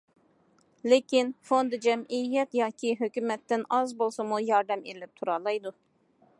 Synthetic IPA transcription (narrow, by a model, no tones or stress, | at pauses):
lɪkʲinfond̪ɨd͡ʒɛmijɛt̪jɑːkʲʰiɦøkʲymɛt̪ːɪnɑzbolˠsɨmujɑɾd̪ɛmilɪp̚t̪ʰuɾɑːlˠɑjd̪u